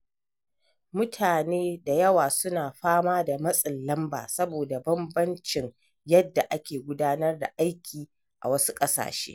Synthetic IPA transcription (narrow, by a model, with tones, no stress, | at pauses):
mʊ˦tʰaː˨neː˦da˨jɐ˦waː˨sʊ˦naː˨ɸaː˦maː˦da˨mɐ˦sʼɪ˨nːɐ˦mba̰ː˨sɐ˦boː˨da˨bɐ˦mbɐ˦nt͡ʃɪ˨ŋ | jɐ˦dːa˨ʔa˦kʲeː˨ɡʷʊ˦daː˦nɐ˦rda̰˨ʔa˦jkʲʰiː˨ | ʔa̰˨wɐ˦su̥˦kʼɐ˦sa̰ː˨ʃḛː˦